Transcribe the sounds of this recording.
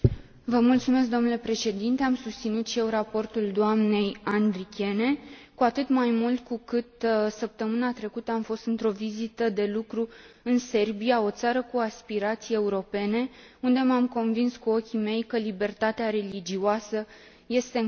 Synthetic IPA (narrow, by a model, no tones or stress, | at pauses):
vəmult̪sume̞s̬k̚d̪o̞mnule̞pɾe̞ʃe̞d̪int̪e̞amsust̪sinut̪ʃije̞wrapo̞rt̪uld̪oamne̞jand̪ɾikʲe̞ne̞kuat̪ɨt̪majmult̪̚kukɨt̪səp̚t̪əmɨnat̪ɾe̞kut̪əamfo̞st̪ɨnt̪ɾo̞vizit̪əd̪e̞lukɾu | ɨnse̞rbijao̞t̪saɾəkuaspiɾat̪sijeeuɾo̞pe̞ne̞ | und̪e̞mamko̞nvinskuo̞kʲime̞jkəlibe̞rt̪at̪eaɾe̞lid͡ʒioasə | je̞st̪e̞